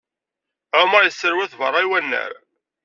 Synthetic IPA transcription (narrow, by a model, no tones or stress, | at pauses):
æmɾˤjəsːəɾwæθvərˤːɑjwænːə̰ɾ